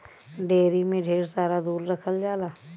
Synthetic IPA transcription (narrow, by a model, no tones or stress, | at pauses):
ɖeːɾimẽɖʱeːɾsaːɾad̪uːɾɾəkʰəld͡ʒaːlaː